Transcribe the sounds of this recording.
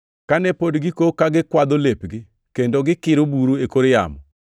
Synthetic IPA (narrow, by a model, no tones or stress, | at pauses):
kanɛpodɡɪkokaɡɪkwad̪olepɡɪ | kendoɡɪkɪɾobuɾuekoɾja̰mɔ̰